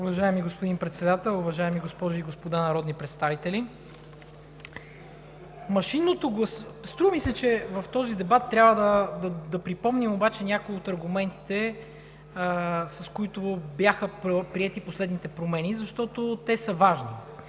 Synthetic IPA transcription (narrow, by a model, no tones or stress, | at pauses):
ʊvɐʒaɛmiɡospod̪inpɾɛt̪sɛd̪at̪ɛlˠʊvɐʒaɛmiɡospɔʒʊiɡospod̪anɐɾɔd̪nipɾɛt̪st̪avit̪ɛli | mɐʃinot̪oɡosst̪ɾuvɐmisɛt͡ʃɛvɐft̪ɔzid̪ɛbat̪ːɾʲjabvəd̪ɐd̪ɐd̪ɐpɾipɔmnimobat͡ʃɛnʲakoot̪ɐɾɡumɛnt̪i̥t̪ɛ | sɐskoit̪objaxəpopɾiɛt̪iposlɛd̪nit̪ɛpɾomɛnizɐʃt̪ɔt̪ot̪ɛsəvaʒni